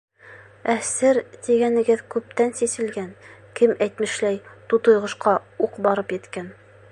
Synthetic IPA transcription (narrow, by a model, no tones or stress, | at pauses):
æsɘɾt̪iɡænɘ̆ɡɘðkʉp̚t̪ænsisɘ̆lɡænkɘmæjt̪mɘ̆ʃlæjt̪ut̪ŏjʁɤ̆ʃqɑuqbɑɾɤpjɘ̆t̪kæn